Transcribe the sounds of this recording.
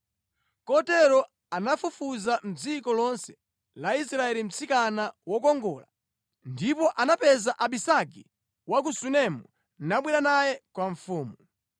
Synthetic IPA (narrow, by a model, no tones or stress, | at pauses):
kɔtɛɾɔ | anafufuzam̩d͡zikɔlɔnsɛ̥ | laisɾaɛlim̩t͡sʰikanawɔkɔŋɡɔːla̰ | ndipɔʔanapɛzaʔaɓisaki | wak̬usunɛmu | naɓwɛɾanajɛkwaɱfuːmu